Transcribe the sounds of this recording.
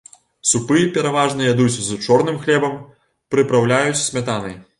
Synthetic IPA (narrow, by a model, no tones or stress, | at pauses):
supɨjɛpʲɛɾavaʐnɨjʲad̪ut͡sʲzut͡ʂɔrnɨmxlʲɛbɐm | pɾɨpɾawlʲajut͡sʲsʲmʲat̪anɐ̰j